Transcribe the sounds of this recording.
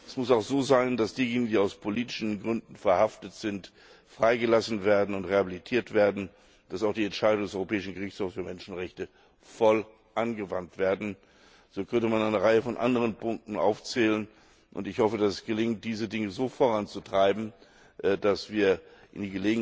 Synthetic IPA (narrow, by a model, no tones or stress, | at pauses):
ʔɛsmʊsaʊxz̥oːzaɪndasd̥iːjeːnɪɡŋ̩diːaʊspʰoliːtɪ̥ʃn̩ɡʁʏndn̩fɛɐhaftətz̥ɪnt | fʁ̥aɪɡəlasn̩veːɐdn̩ʊntʁehabilitʰiːɐtv̥eːɐdn̩ | d̥asaʊxd̥iːɛntʃaɪɾdʊŋdɛsʔɔʏʁopʰɛːɪʃn̩ɡəʁɪçt͡shoːfsfːɐmɛnʃn̩ʁɛçtə | fɔl | ʔanɡəvantv̥eːɐdn̩ | z̥oːkʰœntəmanaɪnəʁaɪəfɔnʔa̰ndəʁ̞ənpʰʊŋk̚tn̩ʔa̰ʊft͡sɛːlən | ʔʊ̰ntɪçhɔfədasɛsɡ̥əlɪŋt̚d̥iːzədɪŋəzoːfoʁant͡sutʁ̥aɪbm̩ | d̥asv̥iːɐʔɪndiːɡəleːɡ